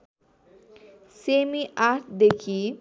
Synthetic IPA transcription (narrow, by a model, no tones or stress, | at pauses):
semiʔat̪ʰd̪ekʰi